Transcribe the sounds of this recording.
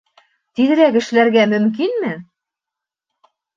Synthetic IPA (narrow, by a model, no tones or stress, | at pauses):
t̪iðɘ̆ɾækɘ̆ʃlæɾɡæmɵ̆mk̬inmɘ